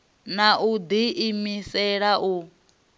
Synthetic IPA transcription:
naʔud̪iʔimisɛɺaʔu

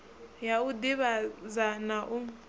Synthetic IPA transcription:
jaudiβazanaʔu

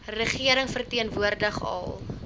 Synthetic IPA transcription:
rəχiəɾəŋfərtiənvuərdəχɐ̰lˠ

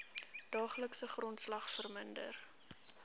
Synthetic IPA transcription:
d̥ɑːχləksəχrɔntslɐχfərməndə̰r

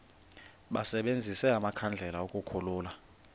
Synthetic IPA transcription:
ɓasɛɓend͡zʱisɛamakʰand͡ɮʱɛlaokʼukʰɔluːla

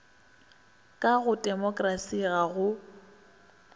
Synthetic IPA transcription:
kʼaɣʊtʼɛmɔkʼrasiɣaɣʊ

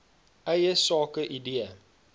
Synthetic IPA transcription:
ɐjəsɑːkəʔidiə

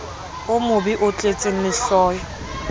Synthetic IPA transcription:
ʊmʊbiʔʊt͡ɬʼet͡sʼɪŋ̩lɪɬɔːjɔ

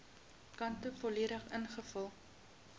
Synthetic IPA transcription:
kɐntəfɔliəɾəχənχəfəlˠ

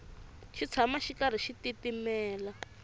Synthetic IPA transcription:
ʃit͡sʰamaʃikaɾ̤iʃititimɛːla

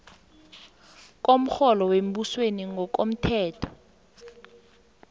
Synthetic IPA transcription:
k̬om̩xɔlɔwem̩busweniŋɔk̬om̩tʰɛːtʰɔ̥

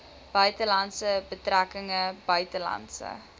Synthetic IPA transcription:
b̥œɥtəlɐntsəbətrækəŋəb̥œɥtəlɑ̰ntsə̰

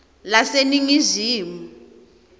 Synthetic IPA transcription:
laseniŋiziːmu

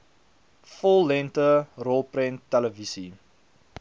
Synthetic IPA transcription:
fɔlˠːɛntərɔlˠprɛntːæləvisi

